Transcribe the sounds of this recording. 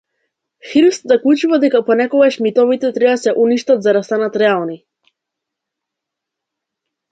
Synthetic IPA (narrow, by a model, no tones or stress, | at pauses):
xiɾst̪zaklˠut͡ʃuvad̪ɛkapɔnɛkɔɡaʃmit̪ɔvit̪ɛt̪ɾɛbasɛʔuniʃt̪at̪zaɾast̪anat̪ɾɛalˠni